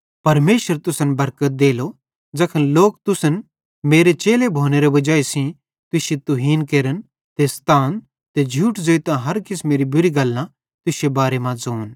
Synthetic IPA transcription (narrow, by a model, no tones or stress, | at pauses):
pɐɾmeːʃəɾt̪ʊsənbɐɾkət̪̚d̪eːlo | d͡ʒɐkʰənloːkt̪ʊsən | meːɾet͡ʃeːlebʱoːneɾebɐd͡ʒaːisĩ | t̪ʊset̪ʊɦiːnkeːɾən | t̪est̪ʰaːn | t̪ed͡ʒʱuːʈd͡zoːit̪ãɦɐɾkɪsmeːɾibʊɾiɡɐlːã | t̪ʊsebaːɾemãd͡zoːn